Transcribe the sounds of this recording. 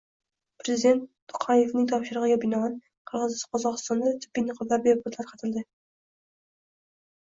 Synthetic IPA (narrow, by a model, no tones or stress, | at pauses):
pɾezɪd̪e̞nt̪ːʊ̥qʰɑje̞fnɪŋt̪ʰɒpʃɪɾɨʁɨɡʲabɪnɒan | qʰɨɾʁɨzɪsqʰɒzɒqɨst̪ɒnd̪at̪ʰɪ̥pːɪkʲnɪqʰɒlaɾ̚beɾɪpʊt̪ʰlaɾqʰɑt̪ʰɪld̪ɪ